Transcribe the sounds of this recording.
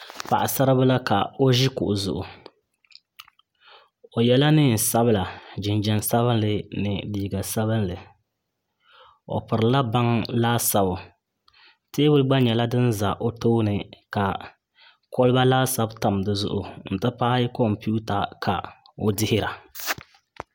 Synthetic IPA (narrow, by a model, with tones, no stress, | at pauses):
pa̰˨ʔa˨sa˦ɾɨ˦bɨ˦la˦ka˨o˦ʒi˦kʊ̰˨ʔʊ˨zʊ̰˨ʔʊ˨ | o˨jɛ˦la˦nɨ˦˨n˨sa˦bɨ˦la˨d͡ʒɪ˨nd͡ʒɛ˨n˨sa˦βɨ˦n˦lɨ˨nɨ˨diː˦˨ɡa˨sa˦βɨ˦nlɨ˨ | o̰˨pɨ˨ɾɨ˨la˦ba˦ŋlaː˦sa˨bʊ˨ | teː˦bɨ˦lɡ͡ba˦ɲɛ˨la˦dɨ˦n˦za˨ʔo˨toː˦nɨ˨ka˨ | ko˦lɨ˦ba˦laː˦sa˦bta˨m˨dɨ˦zʊ̰˦ʔʊ˨n̩˨tɨ˦paː˦kɔ˦mpu˦ta˨kʰa̰˨ | o˦dɪ˦hɪ˦ɾa˨